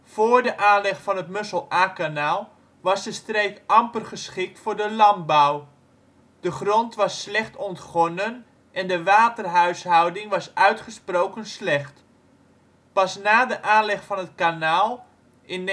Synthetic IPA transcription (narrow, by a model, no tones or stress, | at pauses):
foːrdəʔaːnlɛχfɑnətmɵsəlˠaːkanaːlˠ | ʋɑsdəstreːkɑmpərχəsχɪk̚tfʊːrdəlɑmbɔw | d̥əχrɔntʋɑsːlɛχtɔntχɔnən | ʔɛndəʋaːtərɦœɥsɦɔwdɪŋʋɑsœɥtχəsprowkənslɛχt | pɑsnaːdəʔaːnlɛχfɑnətkanaːlˠ | ʔɪn